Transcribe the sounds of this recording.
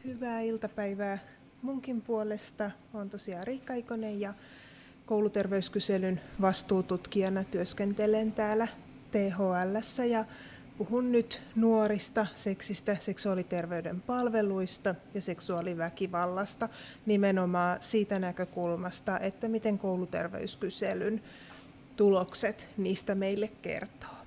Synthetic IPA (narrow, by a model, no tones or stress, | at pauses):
hyʋæːilt̪ɑpæiʋæː | muŋkimpuolest̪ɑ | ont̪osiɑːriːkːɑjkonejjɑ | kowlut̪erʋeyskyselynʋɑst̪uːt̪ut̪kiɑnɑt̪yøskent̪elent̪æːlæ | t̪eːɦoːælːæsːæjɑ | puhunnyt̪nuoɾist̪ɑse̞ksist̪æse̞ksuɑlit̪erʋeydempɑlʋeluist̪ɑjɑse̞ksuɑliʋækiʋɑlːɑst̪ɑ | nimenomɑːsiːt̪ænækøkulmɑst̪ɑʔet̪ːæmit̪eŋkowlut̪ḛrʋḛyskyselyn | t̪ulokset̪niːst̪æmeilːekke̞̰rt̪o̥ː